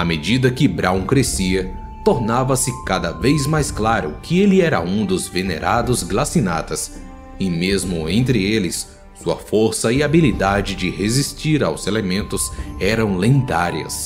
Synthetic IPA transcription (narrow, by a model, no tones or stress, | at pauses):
ɐmed͡ʒid̪ɐkɪbɾaw̃kɾesiɐ | t̪oɾnavɐsɪkad̪ɐvejzmajsklaɾʊ̰kʰɪelɪɛɾɐ̰ũd̪ʊzvenḛɾʔad̪ʊzɡlasina̰t̪ɐs | ɪmezmʊẽnt̪ɾɪelɪsː | uɐ̰foɾsɐɪabilid̪ad͡ʒɪd͡ʒɪhezist͡ʃiɾawzelemẽnt̪ʊzɛɾɐ̃w̃lẽnd̪aɾjɐ̰s